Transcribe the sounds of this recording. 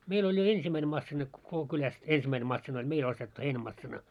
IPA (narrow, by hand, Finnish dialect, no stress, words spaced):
meil olʲ jo ensimːæine mɑsːinɑ ko koko kylæst ensimːæine mɑsːinɑ olʲ meil ostetːu heinæmɑsːinɑ